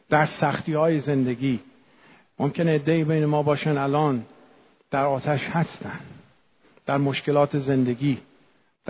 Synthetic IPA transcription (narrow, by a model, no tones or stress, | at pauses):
d̪̥æɾsæxt̪iːhɒːjeze̞nd̪e̞ɡiː | momkʰe̞neːd̪ːeiːbejnemɒːbɒːʃænælɒːn | d̪̥æɾɒːt̪ʰæʃhæst̪æn | d̪̥æɾmoʃke̞lɒːt̪ʰeze̞nd̪e̞ɡʲiː | d̪̥